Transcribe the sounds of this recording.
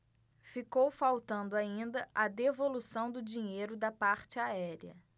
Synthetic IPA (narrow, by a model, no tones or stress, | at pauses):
fikowfawt̪ɐ̃nd̪ʊaĩnd̪ɐʔɐd̪evolusɐ̃w̃d̪ʊd͡ʒĩɲejɾʊd̪ɐpaɾt͡ʃɪaɛɾiɐ̰